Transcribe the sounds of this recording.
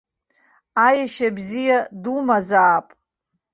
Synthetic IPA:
ajaʃabzijadumazaːpʼ

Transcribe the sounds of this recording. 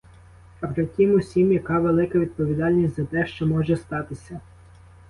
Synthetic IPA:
ɐpɾɪtʲimʊsʲimjɐkɑʋelˠɪkɐʋʲid̪̚pɔʋʲid̪ɑlʲnʲisʲtʲzɐt̪ɛʃt͡ʃɔmɔʒɛst̪ɑt̪ɪsʲɐ

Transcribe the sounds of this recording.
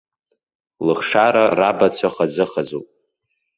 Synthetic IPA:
lɨχʂaɾarabat͡ɕʷʰaχazɨχazupʼ

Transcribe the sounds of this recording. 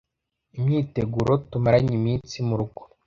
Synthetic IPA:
imɲiːte̞ɡuɾʔo̞tumaɾaɲimiːnt͡simuɾuɡo̥

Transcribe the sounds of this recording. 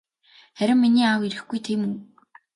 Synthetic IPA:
χæɾʲɪ̆mːiniːawiɾɘ̆xɡujt̪ʰeːmɵŋ

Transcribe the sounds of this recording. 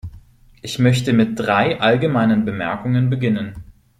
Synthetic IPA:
ʔɪçmœçtəmɪt̚d̥ʁaɪʔalɡəmaɪnənbəmɛ̰ɐkʊŋənbəɡɪnən

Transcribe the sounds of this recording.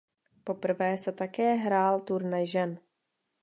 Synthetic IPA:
po̞pr̩vɛːsɛt̪akɛːɦɾaːlt̪uɾnɛjʒɛn

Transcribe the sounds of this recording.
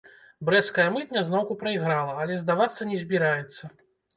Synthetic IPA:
bɾɛskɐjɐmɨt̪ʲnʲɐznɔwkupɾɐiɣɾalˠɐːlʲɛzd̪avat̪sːɐnʲɛzʲbʲiɾajɛt̪sːɐ

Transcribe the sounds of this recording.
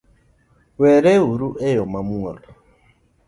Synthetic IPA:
wɛɾɛuɾuʔɛjɔmamuɔlɔ

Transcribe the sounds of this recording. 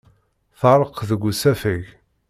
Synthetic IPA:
θəɾˤəqðəɡʷːusæfəʝ

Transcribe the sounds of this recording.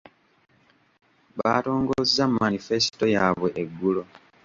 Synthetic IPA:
βato̞ːŋɡozzamanifesi̥to̞jaːβwe̞ʔeɡːulo̞

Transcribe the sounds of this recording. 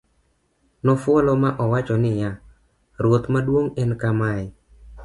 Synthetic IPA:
nɔfwɔlɔmaʔɔwat͡ʃɔnɪja | ɾot̪madwoŋɛnkamaj

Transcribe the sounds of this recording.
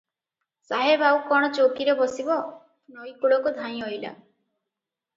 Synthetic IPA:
saɦebaukɔɽ̃ɔt͡ʃokiɾebɔsibɔ | nɔjkuɭɔkud̪ʱanj̃ɔjla̰

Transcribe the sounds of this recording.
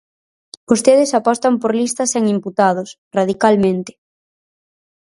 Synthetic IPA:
ost̪eð̞ɪsapɔst̪ampoɾlist̪ɐseŋimput̪að̞ʊs | raðikalmẽnt̪ɪ̥

